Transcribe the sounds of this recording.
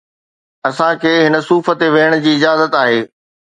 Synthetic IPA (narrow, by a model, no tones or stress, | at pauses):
ɐsãkʰeːɦɪnə̆suːfə̆t̪eʋeːəɽ̃ʊd͡ʑiːɪd͡ʑaːzət̪aːɦeː